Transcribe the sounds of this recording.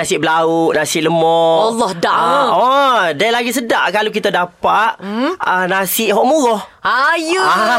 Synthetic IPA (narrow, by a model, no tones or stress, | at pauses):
nasɪʔbəlauʔnasɪʔləmɔalɔhdaʔɔdajlaɡis̬ədaʔkalok̬it̪adapaʔənasɪʔɦɔʔmulɔhajəa